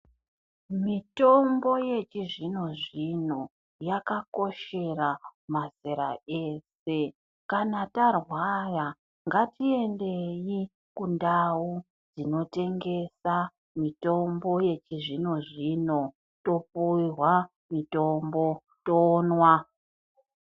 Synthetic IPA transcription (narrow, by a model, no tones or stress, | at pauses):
mito̞mbo̞je̞t͡ʃiʐinoʐino | jakako̞ʃe̞ramazeɾa̰eːse̞ | kanatarwara | ŋɡatie̞nde̞ji | kundau | d͡zino̞te̞ŋɡe̞sa | mito̞mbo̞je̞t͡ʃiʐinoʐino̞ | to̞puɦwa | mito̞mbo̞ | toːnwa